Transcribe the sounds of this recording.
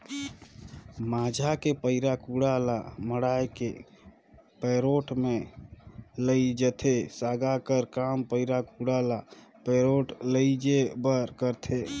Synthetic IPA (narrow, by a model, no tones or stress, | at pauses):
mad͡ʒʱakepəɪɾakuɽalaməɽajke | peɾoʈme | ləjd͡ʒət̪ʰesaɡakəɾkampəɪɾakuɽalapeɾoʈləjd͡ʒebəɾkəɾt̪ʰe